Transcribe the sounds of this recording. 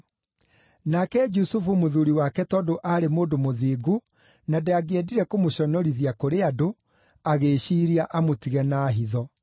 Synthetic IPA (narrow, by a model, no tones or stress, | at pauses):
nakɛd͡ʒusufumoðuɾiwakɛtɔːdoʔaɾemoːdomoðiːɡu | nadeaɡeɛdiɾɛkomoɕɔnɔɾiðiakoɾeado | aɣeːɕiːɾiaʔamotiɣɛnaɦiðɔ